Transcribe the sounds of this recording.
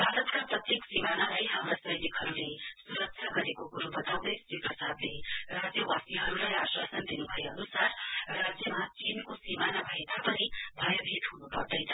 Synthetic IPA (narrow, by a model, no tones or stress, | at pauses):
bʱaɾʌt̪kaprʌt̪jeksimanalajɦamɾasʌjnikɦʌɾulesuɾʌk̚t͡ʃʰaɡʌɾekokuɾubʌt̪awd̪ʌjsiprʌsad̪lerad͡zjʌwasiɦʌɾulajaswa̰sʌnd̪inubʱʌjeʌnusarːad͡zjʌmat͡sinkosimanabʱʌet̪apʌnibʱʌjʌbʱit̪ɦunupʌrd̪ʌjnʰʌ̥